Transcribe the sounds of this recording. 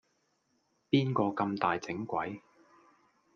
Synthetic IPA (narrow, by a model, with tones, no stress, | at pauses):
piː˥nkɔː˧kɐ˧mt̪aː˨jt͡sɪ˨˥ŋkʷwɐ˨˥j